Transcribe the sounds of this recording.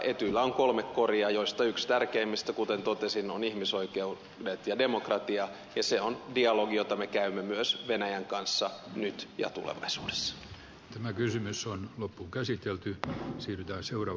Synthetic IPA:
ʔet̪ylːæoŋko̞lmekkoriɑjoist̪ɑykst̪ærkeimːist̪ækut̪ent̪ot̪esinonihmiso̞ikeu | det̪jɑdemokrɑt̪iɑ | jɑseondiɑloɡijot̪ɑmekæymːemyøsʋenæjæŋkɑnsːɑnyt̪jɑ̰t̪ṵlḛʋɑ̰isṵːde̥sːɑ̥ | t̪æmækysymysonlopːukæsit̪elt̪ysiːryt̪æːnseurɑ

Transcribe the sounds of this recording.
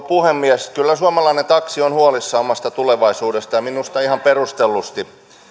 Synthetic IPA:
puhemːiɛskylːæsuɑmɑlɑinent̪ɑksionhuolisːɑomɑst̪ɑt̪uleʋɑisuːdest̪ɑjɑminust̪ɑihɑmperust̪elːust̪i

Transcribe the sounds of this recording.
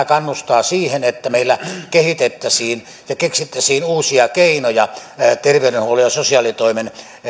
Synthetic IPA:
kɑnːust̪ɑːsiːhenet̪ːæmeˑilːækehit̪et̪ːæsiːn | jɑkeksit̪ːæsiːnuːsiɑkeinojɑt̪erʋeyɾenhuolujɑsosiɑlit̪oˑimen

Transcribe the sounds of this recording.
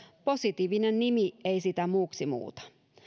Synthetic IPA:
po̞sit̪iːʋinennimieisit̪æmuːksimṵːt̪ɑ̥

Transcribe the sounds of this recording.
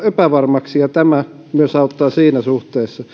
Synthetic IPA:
epæʋɑrmɑksijɑt̪æmæ | myøsɑut̪ːɑːsiːnæsuht̪eːsːɑ

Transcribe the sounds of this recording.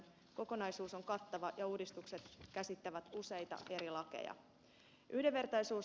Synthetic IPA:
ko̞ko̞nɑjsuːso̞ŋkɑt̪ːɑʋɑjɑuːdist̪ukse̞t̪kæsit̪ːæʋæt̪use̞jt̪ɑ̰ʔe̞ɾilɑkḛjɑ̰ | ʔyhde̞ʋe̞rt̪ɑjsuːs

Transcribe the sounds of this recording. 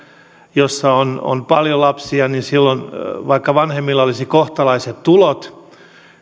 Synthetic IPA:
josːɑono̰npɑljolɑpsiɑninsilːonʋɑikːɑʋɑnhemːilːɑolisikoht̪ɑlɑiset̪tulot̪

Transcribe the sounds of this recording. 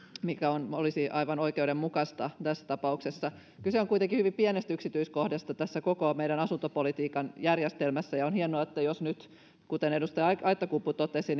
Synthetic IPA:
mikæonolisiʔɑiʋɑnoikeuɾemmukɑst̪ɑt̪æsːæ̥t̪ɑpɑuksesːɑ | kylseoŋkuijt̪eŋkihyʋimpienest̪æyksit̪yiskohdɑst̪ɑt̪æsːækokomeiɾænɑsunt̪opolit̪iːkɑnjærjest̪elmæsːæjɑonhienoɑet̪ːæjosnyt̪ | kut̪enedust̪ɑjɑʔɑit̪ːˑɑkupːut̪ot̪ːˑesin

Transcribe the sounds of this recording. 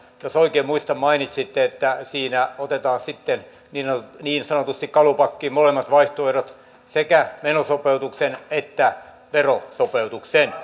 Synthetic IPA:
josoikeːmuist̪ɑmmɑinit̪sit̪ːeet̪ːæsiːnæot̪et̪ɑːnsit̪ːen | niːoniːnsɑnot̪ust̪ikkɑlupɑkːiːmolemːɑt̪ʋɑiht̪oerot̪ | sekæmenosopeut̪uksenet̪ːæ | ʋerosopeut̪uksen

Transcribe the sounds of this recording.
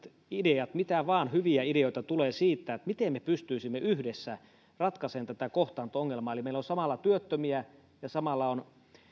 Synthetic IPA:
t̪ | ideɑt̪mit̪æʋɑːnhyʋiæideoit̪ɑt̪uleːsiːt̪ːæet̪mit̪emmepyst̪yisimːeʔyhdesːæ | rɑt̪kɑseːnt̪æt̪ækoht̪ɑːnt̪ooŋːelmɑːelimeilːonsɑmɑlːɑt̪yøt̪ːømiæ | jɑsɑmɑlːɑon

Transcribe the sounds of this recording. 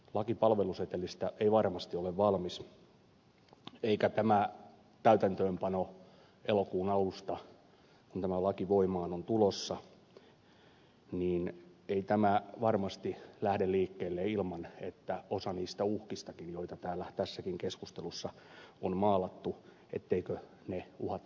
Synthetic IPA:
lɑkipɑlʋeluset̪ːelist̪æeiʋɑrmɑst̪ioleʋʋɑlmis | eikæt̪æmæ | t̪æyt̪ænt̪øːmpɑno | elokuːnɑlust̪ɑ | kunt̪æmælɑkiʋoimɑːnont̪ulosːɑ | niːneit̪æmæʋɑrmɑst̪ilæhdelliːkːeːlːeilmɑnet̪ːæosɑniːst̪æuhkist̪ɑkinjoit̪ɑt̪æːlːæt̪æsːækiŋkeskust̪elusːɑommɑːlɑt̪ːu | ḛt̪ːeikø | neuhɑt̪

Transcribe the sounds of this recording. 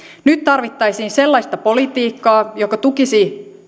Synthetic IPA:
nyt̪t̪ɑrʋit̪ːɑjsiːnse̞lːɑjst̪ɑpo̞lit̪iːkːɑːjokɑt̪ukisi

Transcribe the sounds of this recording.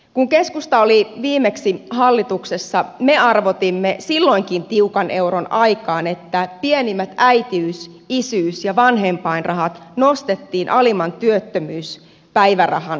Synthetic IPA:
kuŋkeskust̪ɑoliʋiːmeksihɑlːit̪uksesːɑmeɑrʋot̪imːesilːo̞iŋkint̪iukɑne̞uɾonɑjkɑːnet̪ːæpienimːæt̪æit̪iys | isyːsjɑʋɑnɦempɑinrɑɦɑt̪nost̪et̪ːiːnʔɑlimɑnt̪yøt̪ːømyːs | pæiʋærɑ̰hɑn

